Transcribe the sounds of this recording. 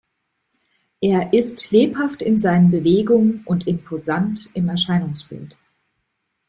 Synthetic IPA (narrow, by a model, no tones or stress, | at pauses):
ʔeːɐʔɪstleːphaftɪnzaɪnənbəveːɡʊŋənʊntɪmpʰozantɪmɛɐʃaɪnʊŋsb̥ɪ̰lt